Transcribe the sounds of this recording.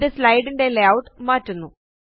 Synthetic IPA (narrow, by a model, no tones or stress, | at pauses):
d̪ɨslajɖiɳɖelawʈmaːtːunːu